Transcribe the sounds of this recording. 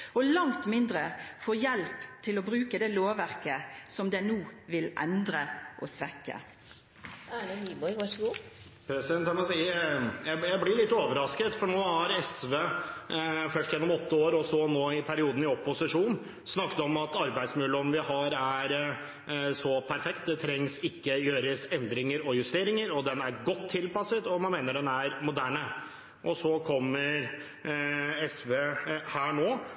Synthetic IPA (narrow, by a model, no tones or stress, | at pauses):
ɔlɑŋt̪mɪnd̪ɾəfɔːjɛlpt̪ʰɪlɔbɾʉːkəd̪ɛloːʋæɾkəsɔmd̪ɛnuːʋɪlʔɛ̰nd̪ɾəʔɔsʋɛkːə̰ | ɑleɡibɔɪʋɑʂɡuː | pʰɾɛsɪd̪ɛnt̪hɑmsiːjæɪjæɪblɪɭɪt̪ːoːʋəɾɑskət̪fɔɳoːhɑɾɛsʋeː | fœʂʈjɛnːɔmɔt̪ːəoːɾɔsɔnoːɪpʰæɾɪuːd̪n̩ɪɔpːʊsɪʂuːn | snɑkːət̪ɔmɑt̪ɑɾbæɪd̪smʉːlːəɔmʋɪhɑɾæɾ | sɔpʰæɾfɛkt̪̚d̪ɛt̪ʰɾɛŋsɪkːəjøːɾəsɛnd̪ɾɪŋəɾɔjʉst̪eːɾɪŋəɾɔd̪ɛnæɾɡɔt̪ʰːɪlpɑsət̪ɔmɑnmeːnəɖɛnæɾmʊd̪æːɳə | ʔɔsɔkʰɔmːəɾ | ɛsʋeːhæːɳoː